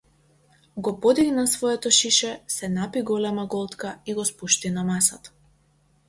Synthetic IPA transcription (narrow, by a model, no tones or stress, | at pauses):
ɡɔpɔd̪iɡnasvɔɛt̪ɔʃiʃɛsɛnapiɡɔlɛmaɡɔlˠt̪kaiɡɔspuʃt̪inamasat̪ḁ